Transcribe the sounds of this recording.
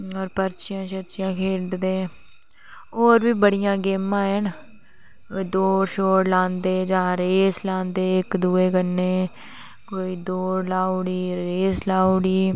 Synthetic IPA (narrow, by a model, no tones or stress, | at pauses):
ɔːɾpəɾt͡ʃɪjãːt͡ʃəɾt͡ʃɪjãːkʰeːɖd̪eː | oːɾbiːbəɽɪjãːɡeːmãːɦɛn | oid̪oːɾʃoːɾlãːnd̪eːd͡ʒãːɾeːslãːnd̪eːɪkd̪uːeːkənːeː | koːiːd̪oːɾlaːoɽiːɾeːslaːoɽiː